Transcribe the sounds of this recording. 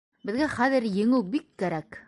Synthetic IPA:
bɘ̆ðɡæχæðɘ̆ɾjɘ̆ŋɘwbikːæɾæk

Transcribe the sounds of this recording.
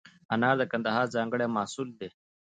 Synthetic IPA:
ɐnaːɾd̪əkɐnd̪əɦaːɾzãːŋɡəɽeːmaːsuːld̪eː

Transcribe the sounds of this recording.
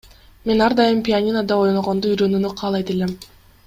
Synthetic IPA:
me̞nɑɾd̪ɑjɯmpʲianʲinad̪ɑo̞jnoʁond̪uyjɾø̞nynyqʰɑːlˠɑjt̪elem

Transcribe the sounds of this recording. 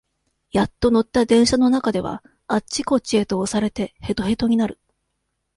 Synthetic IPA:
jat̪ːo̞no̞t̪ːad̪ẽ̞ɰ̃ɕano̞nakad̪e̞βa̰ | at͡ɕːiko̞t͡ɕie̞t̪o̞ːsaɾe̞t̪e̞he̞t̪o̞ɦe̞t̪o̞ɲ̟inaɾɯ̟

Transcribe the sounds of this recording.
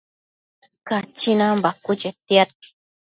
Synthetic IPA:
kat͡ʃinambakut͡ʃet̪iat̪̚i̥

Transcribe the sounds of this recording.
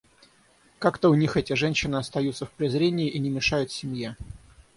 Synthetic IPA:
kakt̪əʊnʲixɛtʲɪʐɛnɕːɪnɨɐst̪ɐjut̪səfpɾʲɪzɾʲenʲɪjɪʔinʲɪmʲɪʂajʊt̪sʲɪmʲje

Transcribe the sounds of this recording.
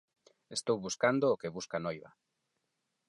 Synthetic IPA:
est̪owβuskand̪oːkeβuskanojβa̰

